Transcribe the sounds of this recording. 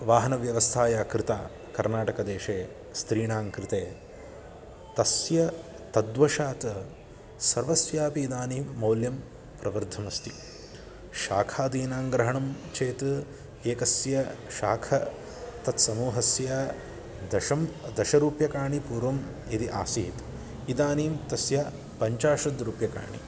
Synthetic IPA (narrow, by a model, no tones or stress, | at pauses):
ʋaːɦɐnɐʋjɐʋɐst̪ʰaːjaːkɾɪt̪a̰ː | kɐɾnaːʈɐkɐd̪eːʃeː | st̪ɾiːɳaːŋkɾɪt̪eː | t̪ɐsjɐ | t̪ɐd̪ʋɐʃaːt̪ɐ | sɐɾʋɐsjaːpiːd̪aːnimɐwljɐm | pɾɐʋɐɾd̪ʱːɐmɐst̪i | ʃaːkʰaːd̪iːnaːŋɡɾɐɦɐɳɐmt͡ʃʰeːt̪ɐ | eːkɐsjɐʃa̰ːkʰɐ | t̪ɐt̪sɐmuːɦɐsjɐ | d̪ɐʃɐmd̪ɐʃɐɾuːpjɐkaːɳipuːɾʋɐm | id̪iʔa̰ːsḭːt̪ | id̪aːniːmt̪ɐsjɐ | pɐɲt͡ʃaːʂɐd̪ɾuːpjɐka̰ːɳḭ